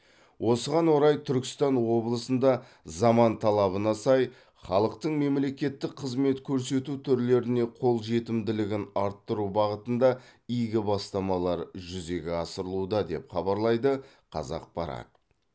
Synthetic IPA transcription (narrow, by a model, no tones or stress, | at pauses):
wʔo̞səʁɑnwo̞ɾɑjt̪ʰʏɾkʲɪ̥st̪ɑnwo̞blˠəsənd̪ɑ | zɑmɑnt̪ʰɑlˠɑβənɑsɑj | χɑlˠəqt̪əɴme̞mle̞kʲe̞t̪ːɪk̚qʰəzme̞t̪kʲʰɵɾse̞t̪ut̪ʰʏɾle̞ɾɪne̞qʰo̞lˠʒe̞t̪ɪmd̪ɪlɪɡʲɪnɑɾt̪ːəɾubɑʁət̪ənd̪ɑijɡʲɪbɑst̪ɑmɑlˠɑɾʒʏze̞ɡʲɪɑsəɾəlˠud̪ɑd̪e̞pχɑbɑɾlˠɑjd̪ə | qʰɑ̰zɑ̰q̚bɑɾɑ̰t̪ə